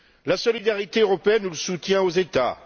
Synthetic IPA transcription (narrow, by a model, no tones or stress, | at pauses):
lasɔlid̪aʁit̪eøʁɔpeɛnːuləsut̪jɛ̃ozet̪a̰